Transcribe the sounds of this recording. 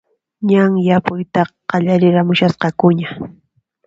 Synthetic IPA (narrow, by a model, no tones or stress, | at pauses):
ɲaŋjapʊjt̪ɑqɑʎaɾɪɾamʊʃasqɑkʊɲa